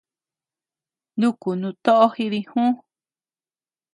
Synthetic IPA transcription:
nd̪u˦ku˨nũ˧t̪o˦ʔo˦hi˧ði˧hũ˦

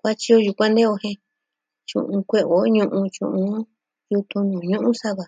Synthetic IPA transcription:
kʷa˦t͡ʃi˧o˧ju˨˧kʷã˦nd̪e˦o˧hẽ˧ | t͡ʃṵ̃˧ʔũ˧kʷe˧ʔo˨˦ɲũ˧ʔũ˧t͡ʃũ˧ʔũ˧˦ | ju˧t̪ũ˧nũ˨ɲũ˦ʔũ˦sa˦βa˧˨

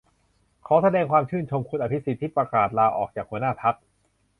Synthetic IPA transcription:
kʰaː˨˦˥sa˧dɛː˧ŋkʰwaː˧mt͡ɕʰɯː˥˩nt͡ɕʰo˧mkʰu˧nʔa˧pʰi˦˥tsi˨˩t̪ʰːiː˥˩pɾa˧kaː˨˩t̪̚laː˧ʔɔː˨˩k̚t͡ɕaː˨˩k̚hu˧˦ənaː˥˩t̪ʰa˦˥t̚

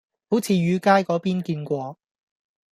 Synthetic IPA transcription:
ho˨˥wt͡sʰiː˨˧ɥyː˨˧kaː˥jkɔː˨˥piː˥nkiː˧nkʷɔː˧

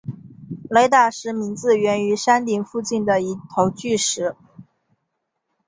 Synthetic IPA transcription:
le˧˥ɪt̪a˥˩ʂɻ̩˧˥mi˧˥nt͡sɹ̩˥˧ɥɛ˧˥ny˧˥ʂa˥nt̪i˨˩ŋfu˥˧t͡ɕi˥˩nd̪ə˩i˧˥t̪ʰo˧˥ʊt͡ɕy˥˩ʂɻ̩˧˥

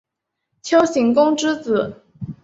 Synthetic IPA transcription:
t͡ɕʰjo˥ʊɕi˧˥ŋkʊ˥ŋʈ͡ʂɻ̩˥t͡sɹ̩˨˩˦

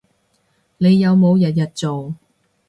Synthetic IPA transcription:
ne˨˧jːɐ˨˧wmo˨˧wjɐ˨t̬̚jɐ˨t̚t͡so˨w

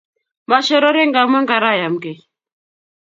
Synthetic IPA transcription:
ma˨ʃɛ˦ɾɔ˦ɾɛ˦ŋɡa˨mɛ˦ŋɡa˨ɾa˦˨ja˨m̩˨kɛ˨

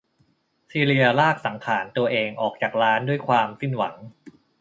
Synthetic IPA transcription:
siː˧ɾi˧ɐlaː˥˩k̚sa˩˦ŋkʰaː˩˦nt̪u˧ɐʔeː˧ŋʔɔː˨˩k̚t͡ɕaː˨˩k̚ɾaː˦˥ndu˥˩əjkʰwaː˧msi˥˩nwa˩˦ŋ

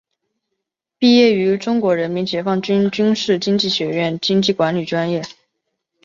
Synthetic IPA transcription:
pi˥˧jɛ˥˩y˧˥ʈ͡ʂʊ˥ŋkwɔ˧˥ɻə˧˥nmi˧˥nt͡ɕjɛ˧˥fɑ˥˩ŋt͡ɕy˥nt͡ɕy˥nʂɻ̩˥˩t͡ɕi˥ŋt͡ɕi˥˩ɕɥɛ˧˥ɥɛ˥˩nt͡ɕi˥ŋt͡ɕi˥˩kwa˧˥nly˨˩ʈ͡ʂwa˥njɛ˥˩

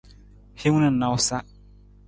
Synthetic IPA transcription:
he˦ŋ˦nɨ̃˦˨nã˨wsa˦

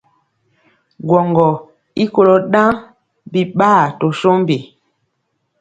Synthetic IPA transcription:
ɡwɔ˨ŋɡɔ˨ | i˦ko˦lo˨ɗã˦ | bi˨ɓaː˦˨to˨so˦m˦bi˨

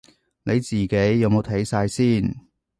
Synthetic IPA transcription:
ne˨˧jt͡siː˨˩ke˨˥jːɐ˨˧wmo˨˧wt̪ʰɐ˨˥jsaː˧jsiː˥˩n

